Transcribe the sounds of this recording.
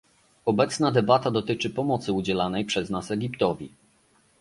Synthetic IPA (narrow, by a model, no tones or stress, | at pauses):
ɔbɛt̪snad̪ɛbat̪ad̪ɔt̪ɘt͡ʂɘpɔmɔt̪sɘud͡ʑɛlanɛjpʂɛznasɛɡʲipt̪ɔvʲḭ